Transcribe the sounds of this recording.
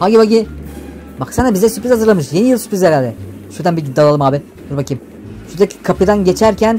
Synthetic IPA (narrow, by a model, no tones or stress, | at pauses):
haɡʲibaɡi | baksanabizd̪ɛsypɾizhazɯɾlˠamɯʃje̞nijɯlˠsy̥pɾizʲeɾalʲd̪ɛ | ʃuɾd̪ænbiɟid̪ːalˠalˠɯmaːbi | uɾbacim | ʃuɾd̪eckʰapʰɯd̪anɟe̞t͡ʃʰæɾcʰæn